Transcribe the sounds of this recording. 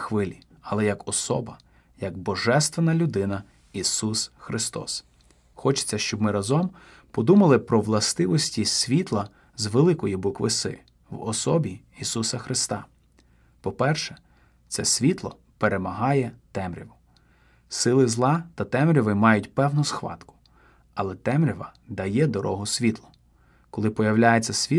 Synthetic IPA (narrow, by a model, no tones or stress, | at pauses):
xʋɪlʲi | ɐlˠɛjɐkɔsɔ̰bɐ | jɐɡbɔʒɛst̪ʋenɐlʲʊd̪ɪnɐ | isusxɾɪst̪ɔ̰s | xɔt͡ʃɪ̥t͡sʲːɐʃt͡ʃɔbmɪɾɐzɔm | pɔd̪umɐlˠɪpɾɔʋlˠɐst̪ɪʋɔsʲtʲisʲʋʲit̪lˠɐ | zʋelˠɪkɔjibʊkʋɪsɪ̰ | wɔ̰sɔbʲiː | susɐxɾɪst̪ɑ | pɔpɛrʃɛ | t̪sɛsʲʋʲit̪lˠɔ | pe̞ɾemɐɦɑjɛt̪ɛmɾʲiʋʊ | sɪlˠɪzlˠɑt̪ɐt̪ɛmɾʲɔʋɪmɑjʊtʲpɛwnʊsxʋɑ̰t̪kʊ̥ | ɐlˠɛt̪ɛmɾʲɔʋɐd̪ɐjɛd̪ɔɾʔɔ̰ɦʊsʲʋʲit̪lˠɔ̥ | kɔlˠɪpɔjɐwlʲajet͡sʲːɐsʲʋʲi